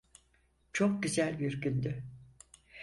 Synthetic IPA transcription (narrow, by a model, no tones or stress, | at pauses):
t͡ʃʰok̚ɟyzælʲbiɾɟynd̪y